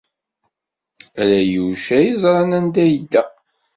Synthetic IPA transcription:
ælæjuʃæjizˤɾˤɑnænd̪æjəd̪ːæ

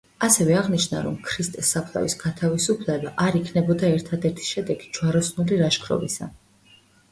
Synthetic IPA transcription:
asɛvɛaʁniʃna̰ɾɔmkʰɾist̪ʼɛsːapʰlˠa̰visɡ̥at̪ʰavisupʰlɛbaʔaɾikʰnɛbɔd̪aɛɾt̪ʰad̪ɛɾt̪ʰi̥ʃɛd̪ɛɡi̥d͡ʒwaɾɔsnuliɾaʃkʰɾɔ̰vḭsa̰

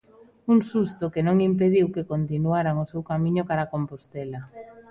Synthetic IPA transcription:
uŋsust̪ʊkenõŋimp̬eðiwkekont̪inuaɾaŋosewkamiɲʊkaɾakompost̪ɛla

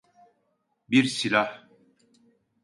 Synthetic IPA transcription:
biɾsilʲah

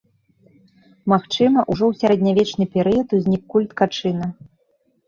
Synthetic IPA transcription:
maxt͡ʂɨmɐʔuʐɔwsʲaɾɛd̪ʲnʲavʲɛt͡ʂnɨpʲɛɾɨjɐt̪uzʲnʲikːulʲt̪kat͡ʂɨnɐ

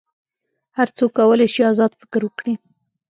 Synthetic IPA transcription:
haɾt͡sokːawəlajʃiɑzɑd̪fɪ̥kɾwəkɽi

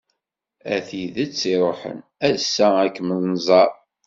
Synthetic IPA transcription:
æ̰θiðət͡sːiɾˤoħə̰næsːæækːməlnzˤɑˤ

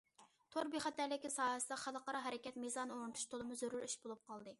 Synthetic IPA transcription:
t̪ʰoɾbeχɛt̪æɾlːɪkʲisɑːhɛsɪd̪ɛχælˠəqɑɾɑɦæɾɪkʲɛt̪mizɑnoɾunt̪ʰu̥ʃt̪ʰolˠɨmuzøɾʊɾyʃbolˠup̚qʰɑlˠd̪ɨ

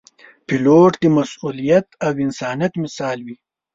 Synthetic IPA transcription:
piloʈd̪imasulijat̪awɪnsɑːnjat̪mɪsɑːlwi

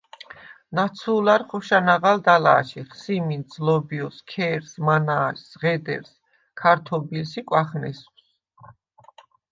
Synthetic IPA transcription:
nat̪sʰuːlaɾχɔʃanaʁald̪ala̰ːʃiχsiminzlɔbiɔskʰɛːɾsmanaːʃsʁɛd̪ɛ̰ɾs | kʰaɾt̪ʰɔbilsikʼwaχnɛs | s

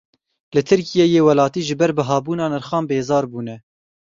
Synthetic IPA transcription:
lɨt̪ʰɨɾkijejeːwɛlɑːt̪iːʒɨbɛɾbɨɦɑːbuːnɑːnɨɾxɑːnbeːzɑːɾbuːnɛ

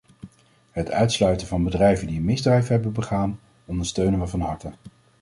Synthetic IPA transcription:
ɦətœ̰ɥtslœɥtəvɑnbədrɛjvəndiəmɪzdrɛjfɦɛbəbəχaːn | ɔndəɹstøɥnənʋəvɑnɦɑɹtə

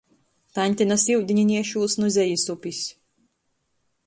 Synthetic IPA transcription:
t̪anʲt̪ʲinasiwd̪ʲiɲiniɛʃuːsnuzʲɛjisupʲis

